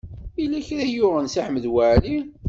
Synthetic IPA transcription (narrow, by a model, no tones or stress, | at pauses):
ilæçɾæjʊʁənsiħməðwaʕli